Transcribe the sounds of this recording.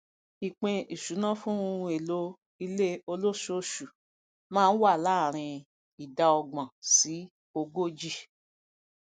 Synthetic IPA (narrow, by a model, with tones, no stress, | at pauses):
i˨k͡pẽ˧ʔi˨ʃu˨˦nã˦fũ˦ũ˧e˨lo˧ | i˧le˦o˧lo˦ʃo˧˦ʃu˨ | mãː˦n̩˦wa˦˨la˨˦˨ɾ̃ĩ˧ | i˨da˧ɔ˧ɡ͡bã˨si˨˦ | o˧ɡo˦d͡ʒi˦˨